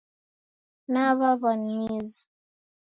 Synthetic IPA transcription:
naβaβanɲizu̥

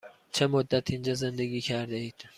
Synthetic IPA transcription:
t͡ʃʰe̞mod̪ːæt̪ʰind͡ʒɒːzend̪eɡiːkʰæɾd̪eiːd̪̥

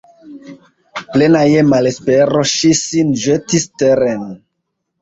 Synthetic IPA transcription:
plenajemalespeɾo̞ʃisinʒetisteɾen

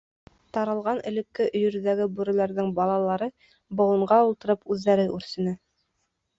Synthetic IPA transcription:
t̪ɑɾɤ̆lˠʁɑnɘ̆lɘ̆kːɘʔɵ̆jɵ̆ɾðæɡɘbuɾɘ̆læɾðɘŋbɑlˠɑlˠɑɾɤ | bŏwɤ̆ɴɢɑulˠt̪ɤ̆ɾɤpʉðːæɾɘʔʉɾsɘ̆nɘ

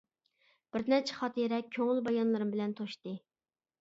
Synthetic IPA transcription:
b̥ɪɾnɛt͡ʃʰɛ̥χɑt̪ʰiɾɛkʲʰøŋɪlbɑjɑnlˠɨɾɨmbɪlɛnt̪ʰoʃt̪ɨ

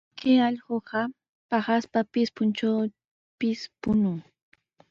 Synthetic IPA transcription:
keɑʎɢoɢɑ | pɑχaspapɪspʊnt͡ʃaw | pɪspʊnʊŋ

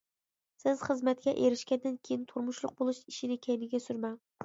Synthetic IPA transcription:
sɪz̥χəzmɛt̪̚kʲɛʔeɾɪʃkʲɛnd̪ɪnkʲʰejint̪ʰoɾmʊʃlˠʊ̰q̚bolˠuʃiʃinɪkʲʰɛjmɪɡʲɛsyɾmɛŋ

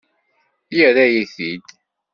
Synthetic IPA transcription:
jəɾæjiθid̪

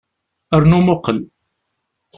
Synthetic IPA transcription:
əɾnumʊqəl

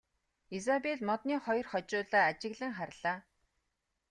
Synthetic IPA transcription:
is̬apeɮmɔt̪niːχɔjɞ̆rχɔt͡ɕʊːɮaːat͡ɕɪ̆ɣɮə̆ŋχarɮaː

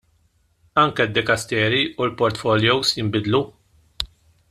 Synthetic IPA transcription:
ɐŋkɛd̪ːɪkɐst̪ɛːɾiulpɔɾt̪fɔljɔwsjɪmbɪd̪lu

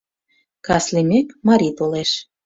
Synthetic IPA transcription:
kɑslimʲekmɑɾʲit̪oleʃ

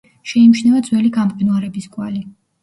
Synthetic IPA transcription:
ʃɛimʃnɛvad̪zwɛliɡamqʼinuaɾɛbiskʼwali

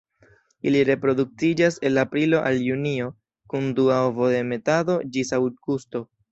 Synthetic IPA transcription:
iliɾe̞pɾo̞duk̚tid͡ʒase̞lapɾilo̞ʔaljunio̞ | kunduaovo̞de̞me̞tado̞d͡ʒisawt̚ɡusto̞

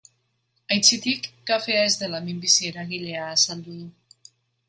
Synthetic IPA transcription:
ajt͡sit̪ikːafe̞ae̞zd̪elamimbisie̞ɾaɣile̞aːsald̪uðu

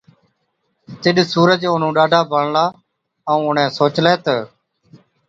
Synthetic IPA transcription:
t̪ɪɗsuːɾəd͡ʒʊn̤ũːɗaːɖʱaːbʱəɳlaː | əũːʊɳ̤ẽːsoːt͡ʃleːt̪ə

